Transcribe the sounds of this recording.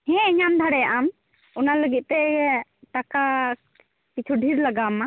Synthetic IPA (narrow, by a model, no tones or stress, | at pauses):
hɛ̃ɛɲamd̪ʱaɽɛjaʔam | ɔnaləɡit̪̚ˀt̪ɛʈaka | kit͡ʃʰuɖʱiɾlaɡama